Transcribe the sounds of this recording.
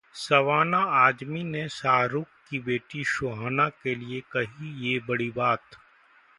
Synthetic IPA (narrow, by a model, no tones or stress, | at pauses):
sɐʋaːnaaːd͡ʒminesaːɾuːkkːibeːʈiʃoːɦaːnakeliekɐɦijebɐɽibaːt̪